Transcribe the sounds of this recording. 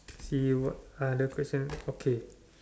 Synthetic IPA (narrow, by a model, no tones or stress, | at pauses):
siwɔt̚adəkʰwɛsə̃nokʰe